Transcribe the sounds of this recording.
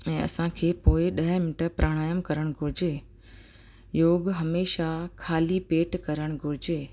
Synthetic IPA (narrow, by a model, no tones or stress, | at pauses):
ɛ̃ːɐ̰sãkʰeːpoːɪɗɐɦmɪnʈəɾpɾʔaːɽ̃aːjəmkɐɾəɽ̃ɡʱʊɾɪd͡ʑe | joːɡɦɐmeːʃakʰaːlipeːʈkɐɾəɽ̃ɡʱʊɾɪd͡ʑeː